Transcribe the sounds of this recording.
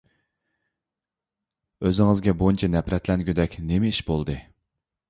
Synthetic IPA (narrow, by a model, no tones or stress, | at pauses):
øzɪŋɨzɡʲɛbont͡ʃʰɛnɛpʰɾɛt̪lɛnɡʲyd̪ɛkʲnemɛiʃbolˠd̪ɨ